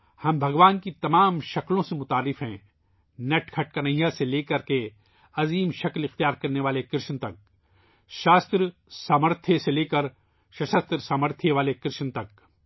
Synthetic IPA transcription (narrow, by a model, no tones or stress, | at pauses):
hɐmbʱɐɡʋaːnkit̪ɐmaːmʃɐklõsemʊt̪aːɾːɪfɦɛ̃ː | nɛʈkʰɐʈ̚kɐnɐɦijaseleːkɐɾke | ɐziːmʃɐklɪxt̪ijaːɾkɐɾneʋaːlekɪɾʃnt̪ɐk̚ | ʃaːst̪ɾsaːməɾt̪ʰjeseleːkɐɾ | ʃɐʃɐst̪ɾsaːməɾt̪ʰjeʋaːlekɪɾʃnt̪ɐk̚